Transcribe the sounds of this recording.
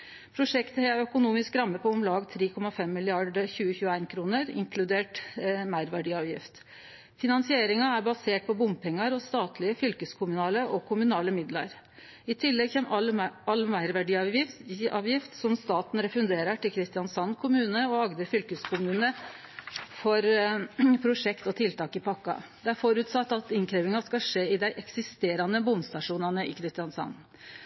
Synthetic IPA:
pʰɾʊʂɛkt̪əhɛæɾœkʊnuːmɪskɾɑmːəpʰɔɔmlɑːɡt̪ʰɾeːkʰɔmɑfɛmːɪlɪɑɖəçʉːəçʉːəæɪnkʰɾuːnəɾɪ̰ŋkʰlʉd̪eːʈmæɪɾʋæɖiːɑːʋjɪ̰ft̪ | fɪnɑnsɪeːɾɪŋɑæɾbɑseːʈ̚pʰɔbʊmpʰɛŋːɑɾɔst̪ɑːt̪lɪəfʏlkəskʰʊmʉnɑːləʔɔkʰʊmʉnɑːləmɪd̪lɑ̰ɾ | ɪt̪ʰɪlːɛɡçemɑlːmæɪɾʋæɖiːɑɪʔɑːʋjɪft̪sɔmst̪ɑːt̪n̩ɾɛfʉnd̪eːɾəʈɪlkʰɾɪst̪ɪjɑnsɑnːkʰʊmʉːnəɔɑɡd̪əɾfʏlkəskʰʊmʉːnə | fɔɾ | pʰɾʊʂɛkt̪ɔt̪ʰɪlt̪ɑːkɪpʰɑkːɑ̰d̪ɛæɾfɔɾʉt̪sɑt̪ːɑt̪ɪŋkʰɾeːʋɪŋɑskɑʂeːɪd̪æɪʔɛksɪst̪eːɾɑnəbʊmst̪ɑʂuːnɑnəɪ̰kʰɾɪst̪ɪɑnsɑ̰nː

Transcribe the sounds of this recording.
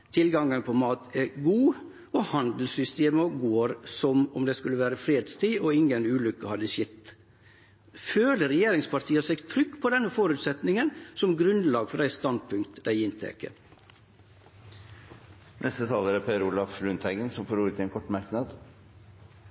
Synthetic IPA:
t̪ʰɪlɡɑŋːənpʰɔmɑːt̪ʰɛɡuː | ɔhɑnd̪l̩sʏst̪eːməɡoːɾsɔmɔmd̪ɛskʉlːəʋæːɾəfɾeːd̪st̪ʰiːɔɪŋənʉːlʏkːəhɑd̪əsɪt̪ː | føːləɾɛjeːɾɪŋspɑɾʈ̪ʰiːəsɛɡt̪ʰɾʏkːpʰɔd̪ɛnːəfoːɾʉːt̪sɛt̪nɪŋənsɔmɡɾʉnlɑːɡfɔdæɪst̪ɑnd̪̚pʰʉŋkt̪d̪æɪɪnt̪ʰḛːkə̰ | nʔɛst̪ət̪ʰɑːləɾæɾpʰeːɾulɑflʉnt̪ʰæɪɡənsɔmfɔɾuːɾət̪ʰɪɛnkʰɔʈːmɑɾknɑd̪

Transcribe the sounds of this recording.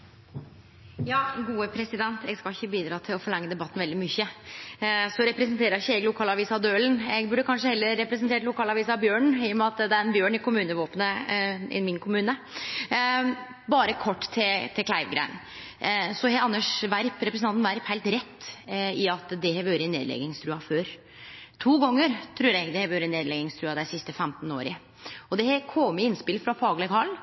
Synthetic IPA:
jɑːɡuːəpʰɾɛsɪd̪ɛnt̪ʰɛɡskɑɪçːəbiːd̪ɾɑːt̪ʰɪlɔfɔɭɑŋːəd̪ɛbɑt̪ːn̩ʋɛld̪ɪmʏçːə | sɔɾɛpɾɛsnt̪ʰeːɾəɾɪçːəɛɡlʊkʰɑːlɑʋiːsɑd̪øːlnɛɡbʉɖːəkʰɑnʂəhɛlːəɾːɛpɾɛs̬ənt̪ʰeːʈlʊkʰɑːlɑʋiːsɑbjøːɳɪjʊmɛɑt̪d̪ɛæɾɛnbjøːɳɪkʰʊmʉːnəʋoːpnəɪ̰mɪnkʰʊmʉːnə | bɑːɾəkʰɔʈːt̪ʰɪt̪ʰɪkʰlæɪʋɡɾæ̰ɪn | sɔhɛɑnːəʂʋæɾpɾɛpɾsnɑnnʋæɾphæɪlt̪ɾɛt̪ːɪɑt̪d̪ɛhɛʋøːɾɪnḛːd̪lɛ̰ɡɪŋst̪ʰɾʉːɑføːɾ | t̪ʰuːɡɔŋːəɾt̪ʰɾʉːɾɛɡd̪ɛhɛʋøːɾəɪneːd̪lɛɡɪŋst̪ʰɾʉːɑd̪æɪsɪst̪əfɛmt̪n̩oːɾɪə | ɔd̪ɛhɛkʰɔmɪɪnspɪlfɾɑfɑːɡlɛɡhɑl

